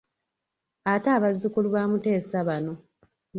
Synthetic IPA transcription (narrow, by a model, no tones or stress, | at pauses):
ataːβazːikuluβaːmute̞ːsaβano̞